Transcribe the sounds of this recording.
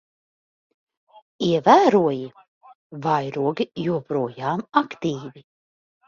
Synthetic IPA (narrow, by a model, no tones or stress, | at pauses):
iɛvæːɾuɔji | vajɾuɔɡijuɔpɾuɔjaːmakt̪iːvi